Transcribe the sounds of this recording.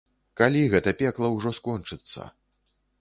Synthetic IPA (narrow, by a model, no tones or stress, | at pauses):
kalʲiɣɛt̪ɐpʲɛklˠɐwʐɔskɔnt͡ʂɨt̪sːɐ̰